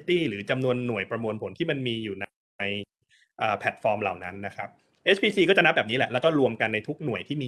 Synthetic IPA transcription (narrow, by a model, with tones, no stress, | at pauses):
t̪iː˥˩ɾɯː˩˦t͡ɕa˧mnu˧ənːu˨˩əjpɾa˧mu˧ənpʰo˩˦nt̪ʰiː˥˩ma˧nmiː˧juː˨˩na˧ | j | ʔəː˨˩pʰɛ˨˩t̪̚fɔː˧mlaː˨˩wna˦˥nːa˦˥kʰa˦˥p̚ | ʔe˦˥t͡ɕʰpʰiː˧siː˧kɔː˥˩t͡ɕa˨˩na˦˥p̚bɛː˨˩p̚niː˦˥lɛ˨˩ʔlɛː˦˥wkɔː˥˩ɾu˧əmka˧nːa˧jt̪ʰu˦˥k̚nu˨˩əjt̪ʰiː˥˩miː˧